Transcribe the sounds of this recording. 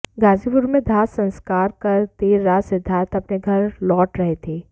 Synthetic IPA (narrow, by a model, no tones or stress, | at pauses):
ɡaːzipʊɾmẽd̪ʱaːt̪sɐ̃nskaːɾkɐɾt̪eːɾːaːsɪd̪ʱaːt̪ʰɐpneɡʱɐɾlɔːʈɾɐɦet̪ʰeː